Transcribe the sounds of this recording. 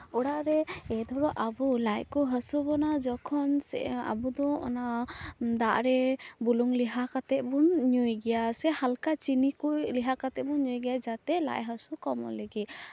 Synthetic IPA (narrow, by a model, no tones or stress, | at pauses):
ɔɽaʔɾɛɛd̪ɔɾɔʔabulajkɔɦəsubɔnad͡ʒɔkʰɔnsɛ̰a̰bud̪ɔɔ̰nad̪aʔɾɛbuluŋliɦakat̪ɛʔ̪̚bunɲujɡɛjasɛhalkat͡ʃinikujliɦakat̪ɛbunɲujɡɛjad͡ʒat̪ɛla̰jɦəsukɔmɔ̰ləɡi